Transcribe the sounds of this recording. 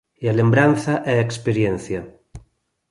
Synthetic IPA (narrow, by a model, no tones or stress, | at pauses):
ialembɾan̟θaʔɛekspeɾjen̟θja